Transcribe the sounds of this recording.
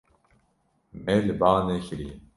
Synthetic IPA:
mɛlɨbaːnɛçɾi

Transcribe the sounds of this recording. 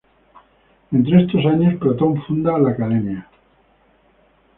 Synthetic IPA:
e̞nt̪ɾeest̪o̞saɲo̞spɾat̪õ̞ɱfund̪alakaðe̞mja

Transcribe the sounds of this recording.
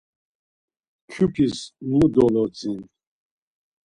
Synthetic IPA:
kʰupʰismud̪ɔlɔt͡sʼin

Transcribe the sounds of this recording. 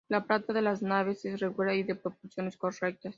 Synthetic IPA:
lapɾat̪aðe̞laznaβe̞sesreɣualaiðe̞pɾo̞poɾsjo̞ne̞skorek̚t̪as

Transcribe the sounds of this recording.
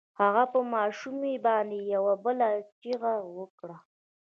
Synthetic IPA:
haɣapəmɑʃumebɑnd̪ejawabəlat͡ʃiɣawəkɽa

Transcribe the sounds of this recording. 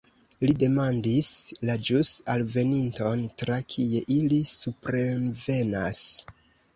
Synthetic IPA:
lide̞mandislad͡ʒusalve̞ninto̞ntɾakʰije̞ʔilisupɾeve̞nas

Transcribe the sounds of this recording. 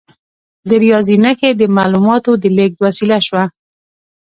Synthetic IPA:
d̪əɾijɑzinaked̪əmalumɑt̪od̪əlek̚d̪wasilaʃwa

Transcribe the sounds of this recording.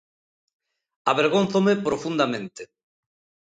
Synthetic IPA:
aβeɾɣonθomepɾofund̪amẽnt̪ɪ

